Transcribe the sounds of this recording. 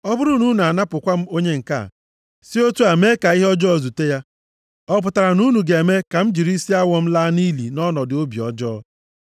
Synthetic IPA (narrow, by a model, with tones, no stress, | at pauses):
ɔ˦bʊ˦ɾʊ˦nu˦n˨a˨na˦pʊ˨kʷa˦m̩˦o˦ɲe˦ŋ̩˨ka̰˦˨ | si˦o˦tu˦a˨me˦ka˨i˦ɦɔ˦d͡ʒɔ˦ɔ˦˨zu˨te˦ja˦ | ɔ˦p̬ʊ˨ta˨ɾa˨nu˦nu˨ɡe˨e˨me˦ka˨m̩˦d͡ʒi˨ɾi˦si˦a˦wɔ˦m̩˦la˦ni˦lḭ˨nɔ˦nɔ˨dɪ˨o˦bi˨ɔ˦d͡ʒɔ˦ɔ˦